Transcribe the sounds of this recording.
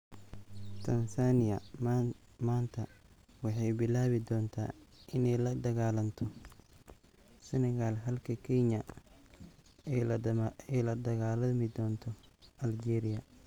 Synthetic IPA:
t̪ʰɐnsaːnɪjɐ | maːnt̪ʰɐ | wɑħɑjbɪlaːβɪd̪ɔːnt̪ʰa̰ːʔɪnɛjlɐɖɐɣaːlɐnt̪ʰɔ | sɛnɐɣaːlɦɐlkʰɐkʰɛɲɐ | ɛjlɐɖɐɣaːlɐmɪd̪ɔːnt̪ʰɔʔɐld͡ʒɛːɾɪjɐ

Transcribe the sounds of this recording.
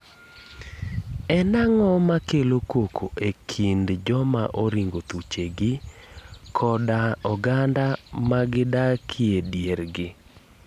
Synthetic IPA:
ɛnaŋɔmakelokokʰoʔekʰindd͡ʒɔma̰ʔoɾiŋɡot̪ut͡ʃeɡɪ | kʰɔdaɔɡandamaɡɪdakʰɪedjeɾɡɪ

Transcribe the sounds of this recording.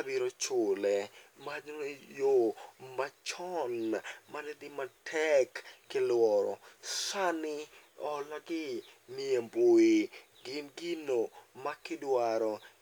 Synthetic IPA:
abiɾot͡ʃʊlɛmad͡ʒnjomat͡ʃɔnmanedɪmatʰɛkːɪlwɔɾɔ̰sanɪɔlaɡɪniemboi | ɡɪnɡinomakɪdwaɾɔ

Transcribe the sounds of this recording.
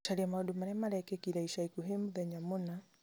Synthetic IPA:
ʃaliamauɗumaɾɛmaɾɛkɛkiɾaiʃaikuɦemuðɛɲamuna

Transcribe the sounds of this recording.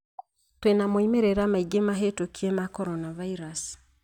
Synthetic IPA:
twenamoimeɾeɾamaiɡemaɦetokiemakɔɾɔnavaiɾasi̥

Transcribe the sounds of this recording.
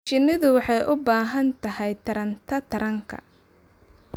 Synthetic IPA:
t͡ʃɪnɪðʊwɑħɑjʔʊbaːɦɐnt̪ʰɐɦɛjt̪ʰɐɾɐnt̪ʰɐt̪ʰɐɾɐŋkʰɐ̰

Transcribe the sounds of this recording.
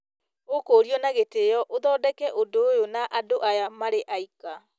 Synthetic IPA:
okoːɾiɔnaɣetejɔʔoðɔːdɛkɛʔodoːjonaʔadoʔajamaɾeʔaika

